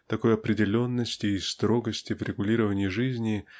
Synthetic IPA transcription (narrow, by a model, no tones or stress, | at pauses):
t̪ɐko̞jɐpɾʲɪdʲɪlʲo̞nːəsʲtʲɪːst̪ɾo̞ɡəsʲtʲɪvɾʲɪɡʊlʲiɾəvənʲɪjɪʐɨzʲnʲɪ